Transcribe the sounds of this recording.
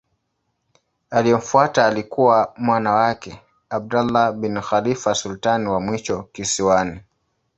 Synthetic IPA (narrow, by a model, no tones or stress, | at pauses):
aliɔm̩fuataːlikuwamwanawakɛ | ab̚dalːabinxalifasultaniwamwiʃɔkisiwani